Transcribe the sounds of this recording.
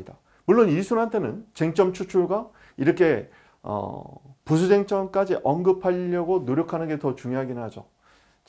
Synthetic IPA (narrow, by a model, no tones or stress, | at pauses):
ida | muɭːonisʰunɦantʰe̞nɯnt͡ɕe̞ŋt͡ɕ͈ʌmt͡ɕʰut͡ɕʰuɭɡwa | iɾʌkʰe̞ | ʌ̰pus̬ʰud͡ʑe̞ŋt͡ɕ͈ʌmk͈ad͡ʑiʔʌnɡɯpʰaʎːʌɡonoɾjokʰanɯnɡe̞tʌt͡ɕuŋjoɦaɡinɯɦad͡ʑo